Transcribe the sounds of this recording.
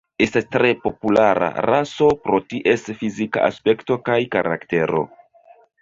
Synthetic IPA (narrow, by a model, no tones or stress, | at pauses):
e̞stastɾe̞po̞pulaɾa̰ɾaso̞pɾo̞tiʔe̞sfizika̰a̰spe̞kto̞kajkaɾʔa̰kte̞ɾo̞̰